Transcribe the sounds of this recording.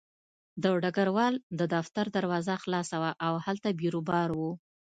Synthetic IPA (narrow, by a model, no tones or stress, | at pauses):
d̪əɖaɡaɾwɑld̪əd̪aft̪aɾd̪aɾwɑzaxlɑsawaʔawhalt̪abiɾubɑɾwu